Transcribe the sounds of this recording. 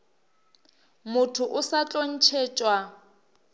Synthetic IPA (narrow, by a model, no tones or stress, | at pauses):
mʊtʰʊʔʊsat͡ɬʼon̩t͡ʃʰeːt͡ʃʼwa